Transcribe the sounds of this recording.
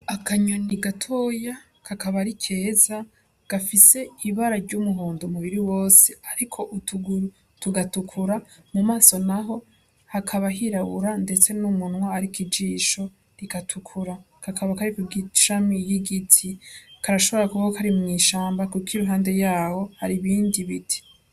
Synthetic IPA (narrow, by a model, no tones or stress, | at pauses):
akʰaɲoniɡatʰo̞ːja | kʰakaβaɾikʰe̞ːza | ɡ̥afise̞iβaɾaɾɟumuɦoːndomuβiɾiwo̞ːse̥aɾikʰo̞ʔutuɡuɾu | tuɡatukʰuɾamumaːso̞naɦo̞ | hakʰaβaɦiɾaβuɾande̞t͡se̞numunwaaɾikid͡ʒiːʃo̞ | ɾikatʰukʰuɾa | kʰakʰaβakaɾikuɡiʃamijiɡitʰikʰaɾaʃo̞βo̞ɾakuβakokʰaɾimŋiːʃaːmbakukiɾuɦaːnde̞jaːho̞haɾiβiːndiβitʰi̥